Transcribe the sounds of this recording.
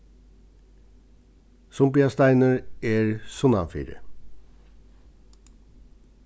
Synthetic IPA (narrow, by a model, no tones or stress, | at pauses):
sʊmpɪɑst̪æɪnəɹeːɹsʊnɑ̰fḭːɾə̰